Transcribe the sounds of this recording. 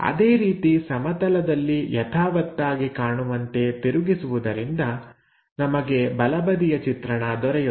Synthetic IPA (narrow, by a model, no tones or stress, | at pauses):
ɐ̰d̪e̞ːɾiːt̪isɐmɐt̪ɐlɐd̪ɐlːijɐt̪ʰaːʋɐt̪ːaːɡikaːɳuʋɐnt̪e̞t̪iɾuɡisuʋud̪ɐɾind̪ɐ | nɐmɐɡe̞bɐlɐbɐd̪ijɐt͡ʃit̪ɾɐɳɐd̪ɔɾɛju